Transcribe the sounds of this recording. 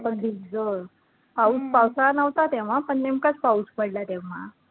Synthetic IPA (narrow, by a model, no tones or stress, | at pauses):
pəɳd̪iɡd͡zoɾ | paut͡spawsanaʋt̪at̪eʋ̤apəɳnemkat͡spauspəɽlat̪eʋ̤a̰